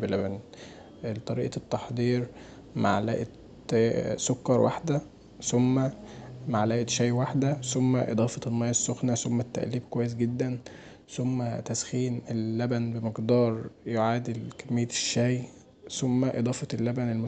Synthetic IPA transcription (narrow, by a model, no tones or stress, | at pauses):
belæbæn | t̪ˤɑɾiːʔɑt̪ːɑħd̪ˤiːɾ | ma̰ʕlæ̰ːʔe | sokːɑɾˤwʔa̰ħd̪æ | somːæmaʕlæːʔet̪ʃæːjwaħd̪æsomːæʔḛd̪ˤɑːfɑtlmɑjːɑsːoxnæsomːæt̪ːæ̰ʔliːb̚kowæjːes̬ɡed̪ːæn | somːæt̪æsxiːnelːæbænbemeqd̪ɑːɾˤjoʕaːd̪elkæmːejːæʃːæːj | somːæʔḛd̪ˤɑːfɑelːæbænelmo